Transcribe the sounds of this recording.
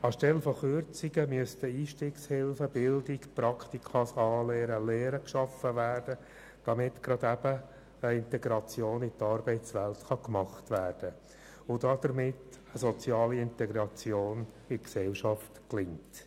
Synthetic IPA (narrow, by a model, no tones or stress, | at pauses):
ɑʃtɛlfɔχʏɾt͡siɡəmyəst̪əiːʃtiːkshɪlfəbɪldɪɡprɑkχt̪ikʰɑsɑːlɛːɾəlɛːɾəkʃɑfəʋæːrd̥ə | d̥ɑmɪtɡɾɑd̪æb̥ə | əɪntɛɡɾɑt͡sjoːnɪtɑɾb̥ɛɪt͡sʋæltχɑkmɑχtʋæːrd̥ə | ʊdɑd̪̥əɾmɪtəsɔt͡sjɑːliɪntɛɡɾɑt͡sjoːn | ɪksɛlʃɑftklɪŋt